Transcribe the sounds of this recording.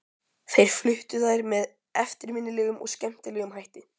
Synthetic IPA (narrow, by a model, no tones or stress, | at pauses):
θejɾ̥flʏht̪ʏθajɾmɛð | ɛft̪ɪɾmɪnːɪlɛːɣʏmɔ̰ɣscɛm̥t̪ɪlɛːɣʏmɦajht̪ɪ